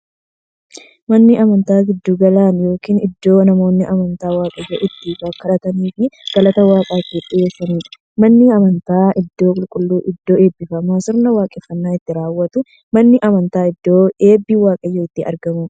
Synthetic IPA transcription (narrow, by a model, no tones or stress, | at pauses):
mɐnːɪʔɐmɐnt̪aːɡɪd̪ːuːɡɐlaːnjo̞ːkiːnɪd̪ːo̞ːnɐmo̞ːnːɪʔɐmɐnt̪aːwaːkʼɐjːɐʔɪt̪ːɪːfɐkːɐᶑɐt̪ɐniːfɪɡ̥ɐlɐt̪ɐwaːkʼaːt̪ːɪᶑʼɪeːfɐmiːᶑ | mɐnːɪɐmɐnt̪aːɪd̪ːo̞ːkʼʊlkʼʊlːuːʔɪd̪ːo̞ːe̞ːbːɪfɐmaːsɪɾnɐwaːkʼɛfːɐnːaːɪt̪ːɪɾaːwːɐt̪ʊ | mɐnːɪʔɐmɐnt̪aːɪd̪ːo̞ːe̞ːbːiːwaːkʼɐjːɐɪt̪ːɪɐ̰ɾɡɐmʊ